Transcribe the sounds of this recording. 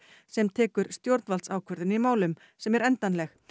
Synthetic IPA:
sɛmt̪ʰɛːkʏɾ̥st̪jowɾt̪nvalt̪sawkʰœɾðɪnimaːwlʏm | sɛmɛɾɛnt̪anlɛx

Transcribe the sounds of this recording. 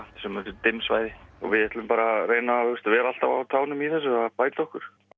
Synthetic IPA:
t̪sɛmːɛnt̪ʏɾt̪ɪmsvaːjðɪɔ̰vɪðɛht̪lʏmpaːɾareːjnaːhust̪vɛːɾal̥t̪ava̰wt̪ʰaːwnʏmiθɛsːʏapaːjt̪aɔhkʏɾ̥

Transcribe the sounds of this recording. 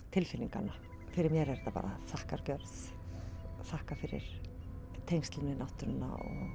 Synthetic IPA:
t̪ʰɪlfɪniŋkana | fɪɾɪɾmjɛɾɛɾt̪apa̰ːɾʔaθahkaɾcœɾθ | θahkafɪɾɪ̰ɾ̥ | t̪ʰejŋst̪lɪnɪnawht̪ʏnːa̰ɔ̰ɣ

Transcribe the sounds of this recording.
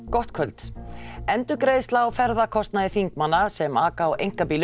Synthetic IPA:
kɔht̪kʰœlt̪ɛnt̪ʏkɾeːðst̪laːwfɛɾðakʰɔst̪naðɪθiŋkmanːasɛmaːkaːwʔḛjŋ̥kapiːl

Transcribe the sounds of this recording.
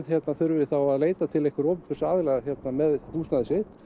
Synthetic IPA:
ðçjɛt̪naθʏɾvɪθawaðleːjt̪at̪ʰɪlɛhkvʏɾowpʏpʏɾsaːðɪlaɣçjɛt̪namɛðhuːsnaðɪsɪt̪

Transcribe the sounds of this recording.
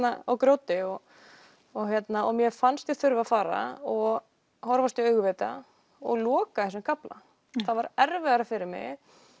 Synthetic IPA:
naawkɾoːwt̪ɪɔɣ | ɔçjɛt̪naʔɔmjɛfanst̪jɪθʏɾvaðfaːɾa̰ɔɣ | hɔɾvast̪iœɥɣʏvɛt̪a̰ | ɔ̰ɣlɔːkaɛns̬ʏmkʰapla̰ | θavaɾɛɾvɛɣaɾafɪɾɪɾmɪ̰ɣ

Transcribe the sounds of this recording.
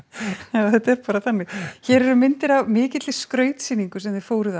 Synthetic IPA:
awθɛt̪ɛɾpaːɾaθanːɪɣçɛːɾɛɾʏmɪnt̪ɪɾavmɪːcɪt̪lɪskɾœːɥt̪siniŋkʏsɛmðɪfoːwɾɪða

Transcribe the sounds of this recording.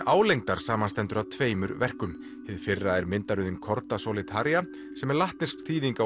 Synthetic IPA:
aːwlejŋt̪aɾ̥saːmanst̪ɛnt̪ʏɾawt̪ʰveːjmʏɾvɛr̥kʏm | hɪðfɪrːaɛɾmɪnt̪aɾʏðɪnkʰɔɾt̪asowlɪt̪ʰaɾja | sɛmɛɾlaht̪nɪskθiːðiŋka

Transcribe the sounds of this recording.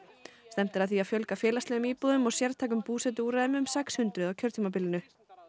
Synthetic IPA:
st̪ɛm̥t̪ɪɾaðθiaðfjœlkafɛːlast̪ɛɣʏmiːpuðʏmɔɣsjɛɾt̪ʰaːk̬ʏmpuːsɛt̪̬ʏuːɾaðɪmʏmsɛkshʏnt̪ɾʏðawcʰœɾt̪ʰiːmap̬ɪlɪnʏ

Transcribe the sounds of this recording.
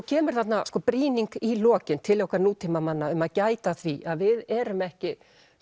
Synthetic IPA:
cʰɛːmʏɾ̥θat̪naskɔːpɾiːniŋkilɔːcɪnt̪ʰɪljɔhkʰvaɾnuːt̪ʰimamanːaʏmaðcaːjt̪aθviʔaðvɪðɛːɾʏmɛhcɪ

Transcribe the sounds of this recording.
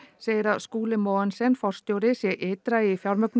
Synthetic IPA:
seːjɾaskuːlɪmoːansɛnfɔr̥st̪jowɾɪsjɛʔet̪ɾaifjawɾmœkn

